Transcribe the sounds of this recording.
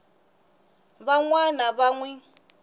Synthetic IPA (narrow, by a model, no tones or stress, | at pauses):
βaŋwanaβaŋwɛ